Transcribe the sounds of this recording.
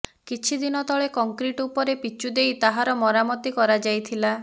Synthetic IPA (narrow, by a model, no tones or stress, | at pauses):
kit͡ʃʰid̪inɔt̪ɔɭekɔŋkɾiʈupɔɾepit͡ʃud̪ejt̪aɦaɾɔmɔɾamɔt̪ikɔɾad͡ʒajt̪ʰila